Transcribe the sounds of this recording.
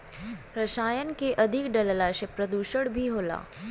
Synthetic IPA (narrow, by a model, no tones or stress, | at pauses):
ɾɐʃaːjənkeʔɐd̪ʱɪkɖɐllaʃepɾɐd̪uːʃəɽbʱiɦoːla̰ː